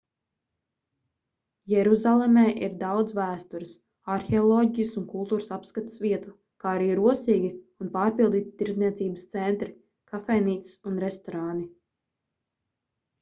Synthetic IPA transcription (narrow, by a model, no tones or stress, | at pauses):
jɛɾuzalˠemɛːʔiɾd̪awd̪svæːst̪uɾis | aɾxɛɔlˠɔːɟijəsunkulˠt̪uːɾəsapskat̪ə̥svʲiɛt̪u | kaːaɾiːɾuɔsiːɡʲiunpaːɾpilˠd̪iːt̪i̥t̪iɾzniɛt̪siːbəst̪sɛnt̪ɾi | kafɛjniːt̪si̥sunɾɛst̪ɔɾaːni